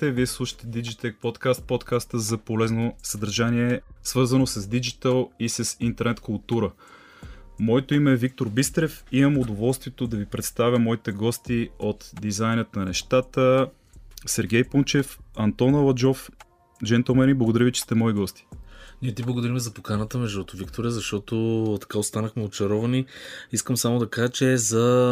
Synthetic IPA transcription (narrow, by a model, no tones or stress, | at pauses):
t̪ɛviɛslˠuʃə̥t̪ɛd̪id͡ʒit̪ɛk̚pot̪kast̪̚pot̪kast̪əzɐpolɛznosɐd̪ɐɾʒaniɛsvɤɾzənosɐzd̪id͡ʒit̪əlˠisəsint̪ɛɾnɛt̪kʊlˠt̪uɾə | mɔɛt̪oimɛːvik̚t̪oɾbist̪ɾɛfimɐmʊd̪ovɔlˠst̪vijɛt̪od̪ɐvipɾɛt̪st̪avʲjəmɔit̪ɛɡɔst̪iot̪d̪izajnət̪nɐnɛʃt̪at̪ə | sɛɾɡʲɛjpunt͡ʃɛfɐnt̪ɔnɐlˠɐd͡ʒɔf | d͡ʒɛnt̪ɛlˠmɛniblˠɡod̪ɐɾʲjəvit͡ʃɛ̥st̪ɛmɔiɡɔst̪i̥niɛt̪iblˠɐɡod̪ɐɾimɛzɐpokanət̪əmɛʒd̪ut̪ovikt̪oɾʲəzɐʃt̪ɔt̪ot̪ɐ̥kaost̪anəxmɛot͡ʃɐɾɔvɐniiskəmsamod̪ɐkaʒət͡ʃɛzɐ